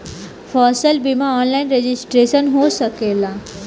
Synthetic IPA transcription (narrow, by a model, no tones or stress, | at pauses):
fɔsəlbimaɔnlainɾed͡ʑisʈɾesənɦosəkela